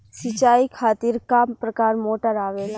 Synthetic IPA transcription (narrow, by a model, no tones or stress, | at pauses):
sɪt͡ʃaːikʰaːt̪iɾkapɾɐkaːɾmoːʈəɾaːʋeːn